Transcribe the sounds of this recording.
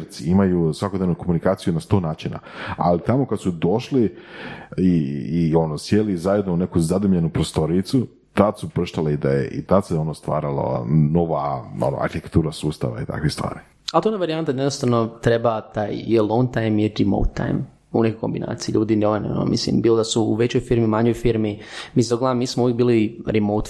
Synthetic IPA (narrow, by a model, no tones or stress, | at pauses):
ɾt̪siimajusʋakod̪neʋnuko̞munikaːt̪sijunast̪o̞ːnaːt͡ʃina̰a̰lit̪amo̞kad̪sud̪o̞ʃli | iːo̞nosjelizajed̪nounekuzad̪umʎe̞nupɾost̪o̞ɾit̪su | t̪ad̪supɾr̩ʃt̪aleid̪ajeʔḭt̪ad̪seo̞nost̪ʋa̰ːɾalo̰noʋao̰no̰a̰ɾçit̪ek̚t̪uːɾasuːst̪a̰ʋa̰it̪a̰kʋist̪ʋa̰ːɾi | alt̪oonaʋaɾiant̪ad̪jed̪nost̪aʋnot̪ɾebat̪aːjelˠõŋɡt̪ajmiɾimo̰wt̪ʰːa̰jm | unekojko̞mbinʔa̰ːt̪sijiʎuːd̪inoʋano̰no̰mḭslḭmbiːlod̪asuṵʋe̞t͡ɕojfiɾmimaɲojfiɾmimisoɡlˠamiːsmouʋjek̚biːliɾimowt̪